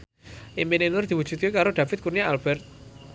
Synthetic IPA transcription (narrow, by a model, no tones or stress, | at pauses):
ʔimbenenʊrd̪̥i̤wud̥d͡ʒ̥ṳt̪̚kekaɾoɖ̥a̤fɪt̪̚kurniaalb̥ɛrt̪̚